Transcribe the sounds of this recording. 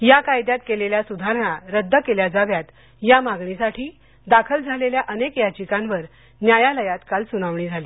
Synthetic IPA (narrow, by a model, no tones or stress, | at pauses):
jakajd̪jat̪̚keleljasud̪ʱaɾəɳ̃aɾəd̪ʱːəkeljad͡zaʋjat̪ | jamaɡɳisaʈʰiː | d̪akʰəld͡zʱaleljaʔənekjat͡ɕikãnʋəɾ | njajaləjat̪kalsuñaʋɳiːd͡zʱaliː